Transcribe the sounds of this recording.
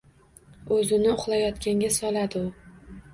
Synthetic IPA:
ɵzɪnɪʊχlˠajɒt̪kʲʰaŋɡʲasɒlad̪ɪʊ

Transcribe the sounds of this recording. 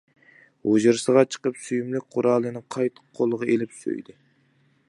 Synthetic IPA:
od͡ʒɨɾsəʁɑt͡ʃʰə̥qəpsyjymlɪk̚ʲqʰʊɾɑːlˠɨnɨqʰɑjt̪ʰə̥qʰːolˠəʁɑelɪpsø̰jd̪ɪ

